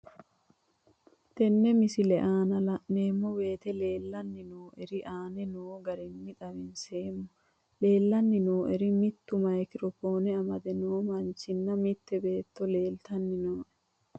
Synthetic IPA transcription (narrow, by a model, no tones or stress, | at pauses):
t̪ɛnːɛmɪsɪlɛʔaːnɐlɐʔneːmːɔwe̞ːt̪ɛle̞ːlːɐnːɪnoːʔɛɾɪʔaːnɛnoːɡɐɾɪnːɪd̪ɐwɪnseːmɔ | le̞ːlːɐnːɪnoːʔɛɾɪmɪt̪ːʊmɐjkɪɾɔfo̞ːnɛɐmɐd̪ɛnoːmɐnt͡ʃːɪnːɐmɪt̪ːɛbe̞ːt̪ːɔle̞ːlt̪ɐnːɪnoːʔɛ̥